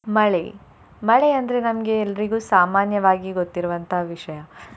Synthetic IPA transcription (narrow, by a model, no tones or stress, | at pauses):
mɐɭḛ | mɐɭeɐnd̪ɐɾe̞nɐmɐɡe̞ːlːɐɾiɡuːsaːmaːnjɐʋaːɡiɡot̪ːiɾuʋɐnt̪ʰɐɦaʋiʂɐjɐ